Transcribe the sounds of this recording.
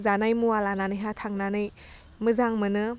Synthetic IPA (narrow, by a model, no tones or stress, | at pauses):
zanajmualananɯjɦatʰaŋnanɯj | mɯzaŋmɯnɯ